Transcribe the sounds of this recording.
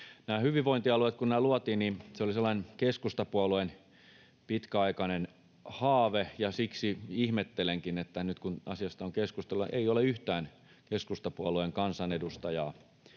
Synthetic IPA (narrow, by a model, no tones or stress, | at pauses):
næːhyʋiʋʋoint̪iɑluet̪kunnæːluɑt̪iːnniseoliselːɑĭnekeskust̪ɑpuɑluen | pit̪kæɑikɑnen | hɑːʋejɑsiksiihmet̪ːeleŋkinet̪ːænyt̪kunɑsiɑst̪ɑoŋkeskust̪elːˑuʔḛioleyht̪æːn | keskust̪ɑpuɑlueŋkɑnsɑnedust̪ɑjɑː